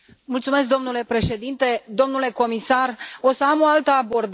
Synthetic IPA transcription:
mult̪sume̞s̬k̚d̪o̞mnule̞pɾe̞ʃe̞d̪int̪e̞d̪o̞mnule̞ko̞misaro̞səamo̞alt̪əabo̞rd̪

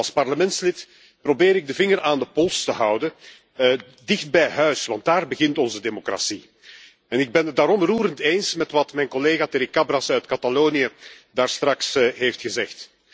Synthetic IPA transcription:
lˠspɑrləmɛntslɪt | probɪːɾɪɡ̚dəvɪŋəraːndəpɔlˠstəɦɑwdə | dɪxd̚bɛjɦœɥsʋɑnt̚daːrbəɣɪntɔnzədemokra̰si | ɛnɪɡ̚bɛnədaːɾɔmruːɾənteːnsmɛtʋɑtmɛjnkɔleːɣateɾɪkabrasœɥtkataloːnijə | daːrstrɑksɦeːftxəzɛxt

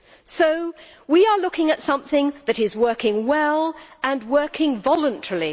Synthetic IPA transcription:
soʊ | wiə˞lʊkɪ̃ŋɨtsʌ̃mθɪ̃ŋðɨɾɪzwɜ˞kɪ̃ŋwɛlˠə̃nwɜ˞kʰɪ̃ŋvɑlˠə̃ntʰɛɹlˠi

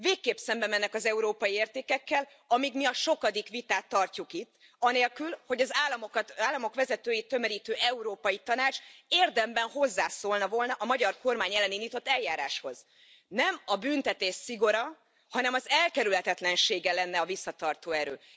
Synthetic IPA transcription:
veːkːeːpsɛmbɛmɛnːɛkɒzɛuɾoːpɒjieːrt̪eːkɛkːɛl | ɒmikmiɒʃo̞kɒd̪ikʋit̪aːt̪ːɒrcukit̪ː | ɒneːlkylho̞ɟɒzaːlːɒmok̪aːlːɒmo̞kʋɛzɛt̪øːjit̪ːø̞mɛɾiːt̪øːʔɛuɾoːpɒjit̪ɒnaːt͡ʃeːrd̪ɛmbɛnɦo̞zːaːsoːlnɒvo̞lnɒʔɒmɒɟɒrko̞rmaːɲɛlːɛniːnd̪iːt̪o̞t̪ːɛljaːɾaːʃho̞z | nɛmɒbynt̪ɛt̪eːʃsiɡo̞ɾɒ | hɒnɛmɒzɛlkɛɾylhɛt̪ɛt̪lɛnʃeːɡɛlɛnːɛɒvisːɒt̪ɒrt̪oːɛɾø̰ː

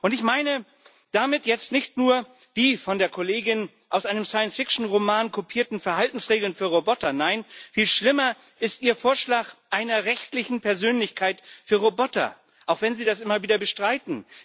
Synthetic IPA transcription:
ʔʊntɪçmaɪnə | d̥amɪtjɛt͡stnɪçtnuːɐ | d̥iːfɔndeːɐkʰoleːɡɪn | ʔaʊsʔaɪnəmsaɪənsfɪkʃn̩ʁomaːnkʰopʰiːɐtn̩fɛɐhaltn̩sʁeːɡl̩nfyːɐʁobɔtɐnaɪnfiːlʃlɪmɐ | ʔɪstʔiːɐfoːɐʃlaːkʔaɪnɐʁɛçtlɪçn̩pɛɐzøːnlɪçkʰaɪtfyːɐʁobɔtɐ̰ | ʔaʊxv̥ɛnziːdasʔɪmɐviːdɐbəʃtʁ̥aɪtn̩

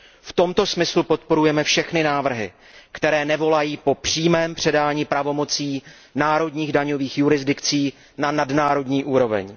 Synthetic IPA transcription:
ft̪o̞mt̪o̞smɪslupo̞t̪̚po̞ɾujɛmɛfʃɛxnɪnaːvr̩ɦɪ̰ | kt̪ɛɾɛːnɛvo̞lajiːpo̞pr̝̥iːmɛːmpr̝̥ɛdaːɲiːpɾavo̞mo̞t͡siː | naːɾo̞dɲiːɣdaɲo̞viːxjuɾɪzdɪkt͡siː | nanadnaːɾo̞dɲiːʔuːɾo̞vɛ̰ɲ

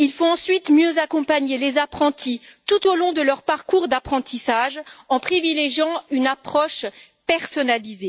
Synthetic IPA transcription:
ilfɔ̃ɑ̃sɥit̪mjøzakɔ̃paɲelezapχɑ̃t̪it̪ut̪olɔ̃d̪əlœʁpaʁkuʁd̪apχɑ̃t̪isaʒɑ̃pχivileʒjɑ̃ynapχɔʃpɛʁsɔnalize

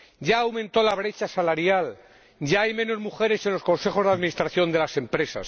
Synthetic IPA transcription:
ɟ͡ʝaːwmẽnt̪o̞laβ̞ɾe̞t͡ʃasalaɾjal | ɟ͡ʝaajmẽ̞no̞zmuxe̞ɾe̞se̞nlo̞sko̞nsexo̞zðaðmĩnist̪ɾaθjo̞nd̪e̞lase̞mpɾe̞sa̰s

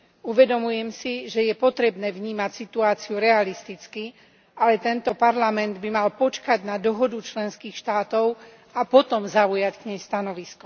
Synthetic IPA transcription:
uʋɛd̪ɔmujɛmsiʒɛjɛpɔt̪ɾɛbnɛːvɲiːmacsit̪uaːt͡siuɾɛalist̪it͡ski | alɛt̪ɛnt̪ɔpaɾlamɛnd̪bimalpɔt͡ʃkaɟnad̪ɔɦɔd̪ut͡ʃlɛnskiːxʃt̪aːt̪ɔʊ | apɔt̪ɔmzaujackɲɛjst̪anɔʋiskɔ

